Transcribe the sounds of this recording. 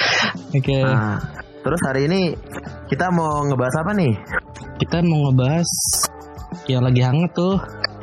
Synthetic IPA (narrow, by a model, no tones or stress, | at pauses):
oke | t̪əɾʊshaɾiːnikit̪amoŋəbaɦasapanɪh | kit̪amoŋəbaɦas | jaŋlaɡiɦaŋat̪ːʊh